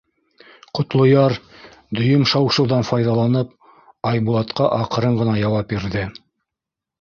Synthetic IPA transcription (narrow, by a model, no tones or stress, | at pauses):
qŏt̪lˠŏjɑɾ | d̪ɵ̆jɵmʃɑwʃɤ̆wðɑnfɑjðɑlˠɑnɤp̚ | ɑjbuɑt̪qɑʔɑqɤ̆ɾɤɴɢɤ̆nɑjɑwɑp̚biɾðɘ